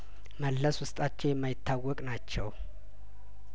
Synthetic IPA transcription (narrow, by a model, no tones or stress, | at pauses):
məlːəswʊst̪ʼat͡ʃːɛwjɛmːajɪt̪ʰːawːɔkʼnat͡ʃːɛw